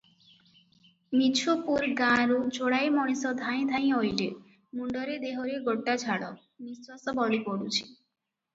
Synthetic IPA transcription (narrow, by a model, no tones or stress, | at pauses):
mit͡ʃʰupuɾɡãɾut͡ʃoɽajmɔɽ̃isɔd̪ʱaj̃d̪ʱaj̃ojɖe | muɳɖɔɾed̪eɦoɾeɡoʈːad͡ʒʰʱaɽɔ | nisɾɔsɔbɔɽipoɽut͡ʃʰi̥